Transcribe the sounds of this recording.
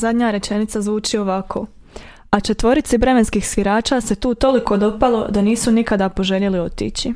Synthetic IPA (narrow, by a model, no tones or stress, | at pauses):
zad̪ɲaɾe̞t͡ʃe̞nit̪sazʋuːt͡ʃio̞ʋakʰo̞ | at͡ʃe̞t̪ʋo̞ɾit̪sibɾe̞me̞nskiːxsʋiɾaːt͡ʃaːse̞t̪uːt̪o̞liko̞d̪o̞palˠo̞d̪aniːsunikad̪apo̞ʒe̞lelio̞t̪ḭːt͡ɕi